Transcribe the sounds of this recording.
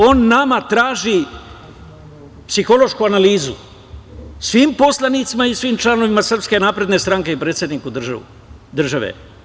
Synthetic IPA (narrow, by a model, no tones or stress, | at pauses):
o̞ːnːamat̪ɾaːʒi | psixo̞lo̞ʃkuanaliːzṵ | sʋimpo̞slˠanit̪simaisʋiːmt͡ʃlanoʋimasr̩pske̞naːpɾe̞d̪ne̞st̪ɾaŋke̞ipɾet̪sje̞d̪nikud̪ | d̪r̩ʒaʋḛ